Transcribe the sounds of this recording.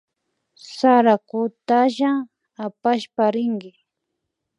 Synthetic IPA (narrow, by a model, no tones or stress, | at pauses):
saɾakʊt̪aʒa | apaʃpaɾɪŋɡɪ